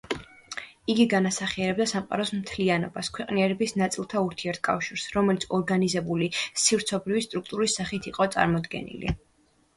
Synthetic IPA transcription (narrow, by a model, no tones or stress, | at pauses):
iɡiɡanasaχiɛɾɛbd̪asamqʼa̰ɾɔsmt̪ʰlianɔ̰baskʰwɛqʼniɛɾɛbisnat̪sʼilˠt̪ʰauɾt̪ʰiɛɾt̪̚ʰkʼa̰fʃiɾsɾɔmɛlt̪sʰɔɾɡanizɛbulisifɾt̪sʰɔbɾivist̪ʼɾuk̚ʰt̪ʼuɾisːaχit̪ʰiqʼɔt̪sʼa̰ɾmɔd̪ɡɛ̰nḭlḭ